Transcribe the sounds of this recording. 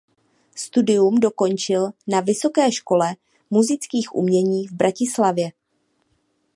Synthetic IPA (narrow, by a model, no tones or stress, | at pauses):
st̪udɪjumdo̞ko̞nt͡ʃɪlnavɪso̞kɛːʃko̞lɛ | muzɪt͡skiːxʔṵmɲɛɲiːvbɾacɪslavjɛ